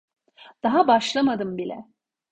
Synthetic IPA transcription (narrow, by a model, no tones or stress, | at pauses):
d̪̥aɦabaʃlˠamad̪ɯmbilʲɛ̰